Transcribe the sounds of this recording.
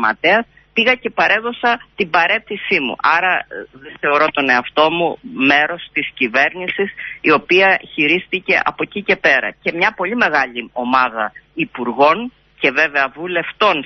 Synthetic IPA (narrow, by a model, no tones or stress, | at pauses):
mɐ̰t̪eɐs | piɣɐce̞pɐɾe̞ðo̞sɐt̪ibɐɾe̞θisimṵʔɐɾɐðeθe̞o̞ɾo̞t̪o̞ne̞ɐft̪o̞mume̞ɾo̞st̪iscive̞ɾnisisio̞piɐçiɾist̪ice̞ʔɐ̰po̞cice̞pe̞ɾɐ̰ce̞mɲɐpo̞ʎime̞ɣɐʎio̞mɐðɐipuɾɣo̞n | ce̞ve̞ve̞ɐvule̞ft̪o̞n